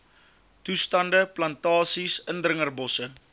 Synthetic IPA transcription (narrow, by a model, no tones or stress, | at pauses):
tustɐndəplɐntɑːsisəndrəŋərbɔsə